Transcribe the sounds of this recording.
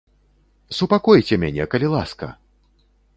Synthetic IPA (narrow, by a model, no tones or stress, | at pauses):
supakɔjt͡sʲɛmʲanʲɛ̰kɐlʲilˠaskɐ̰